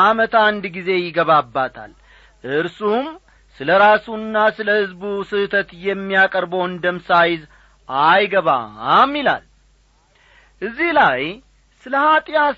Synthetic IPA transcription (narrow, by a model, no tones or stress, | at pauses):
amət̪and̪ɡize̞jɪɡəβabːat̪ʰa̰l | ʔɨɾsum | sɨləɾasuɨnːasɨləhɨzbusɨt̪ʰət̪jɛmːijakʼəɾbəwɨnd̪əmsajɪz | ajɡəβa̰mːila̰l | ʔɨzːihlaj | sɨləhat̪ʼɪja